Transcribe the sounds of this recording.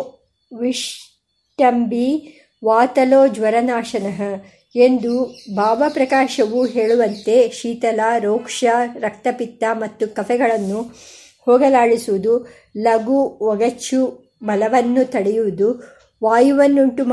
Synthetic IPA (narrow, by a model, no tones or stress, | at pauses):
ʋiʂ | ʈɐmbi | ʋaːt̪ɐloːd͡ʒʋɐɾɐnaːʂɐnɐɦɐ | end̪ubʱaːbɐpɾɐkaːʃɐʋuɦe̞ːɭuʋɐnt̪e̞ʃiːt̪ɐlaɾoːkʂɐɾɐk̚t̪ɐpit̪ːamɐt̪ːukɐfʰɛɡɐɭɐnːu | hoːɡɐlaːɭisuʋud̪u | lɐɡuʋɔɡɐt͡ʃːu | mɐlɐʋɐnːut̪ɐɽɛjuʋud̪u | ʋaːjuʋɐnːuɳʈum